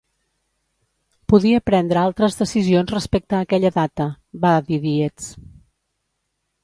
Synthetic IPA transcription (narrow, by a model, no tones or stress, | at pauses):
puðiəpɾɛnd̪ɾəalˠt̪ɾəzðəsizionzrəspek̚t̪əːkɛʎəðat̪ə | baðiðiet͡s